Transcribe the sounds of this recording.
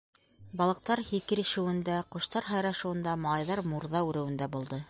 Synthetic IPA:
bɑlˠɤ̆q̚t̪ɑɾhikɘɾɘ̆ʃɘ̆wɘ̆nd̪æqŏʃt̪ɑɾɦɑjɾɑʃŭwɤ̆nd̪ɑmɑlˠɑjðɑɾmuɾðɑʉɾɘ̆wɘ̆nd̪æbulˠd̪ɤ

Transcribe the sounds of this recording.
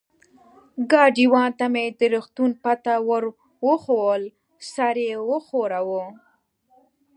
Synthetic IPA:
ɡɑɖiwɑnt̪amed̪əɾuxt̪unpat̪awəɾ | wəxowəl | saɾewəxoɾawo

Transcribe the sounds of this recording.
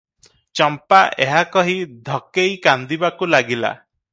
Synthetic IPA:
t͡ʃɔmpaʔeɦakɔɦid̪ʱɔkejkand̪ibakulaɡila̰

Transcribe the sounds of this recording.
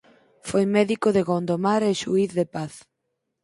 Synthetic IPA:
fojmɛðikoðeɣond̪omaɾeʃuiθðepaθ

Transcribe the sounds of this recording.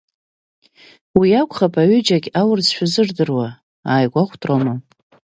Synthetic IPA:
wiakʷʰʼχapʼaɥʏd͡ʒaɡʲawʊrzʃʷᶣazɨrdɨrwa | aːjɡʷaχʷʰtʰʼramo

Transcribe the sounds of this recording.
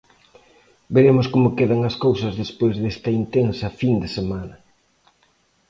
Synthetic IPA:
beɾemʊskomʊkeðɐŋɐskowsɐzðespojzðest̪ɐint̪ensɐfind̪esemanɐ

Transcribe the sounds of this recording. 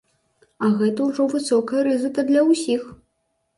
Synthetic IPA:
ɐɣɛt̪ɐwʐɔvɨsɔkɐjɐɾɨzɨk̪ɐd̪lʲɐwsʲix

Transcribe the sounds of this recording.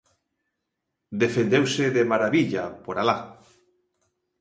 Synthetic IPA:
d̪efend̪ewseðemaɾaβiʎapoɾala

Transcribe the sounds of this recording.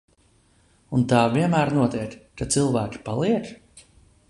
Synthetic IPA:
unt̪aːviɛnmæːɾnuɔt̪iɛkkat̪sɨlˠvæːkʲi̥palˠiɛk

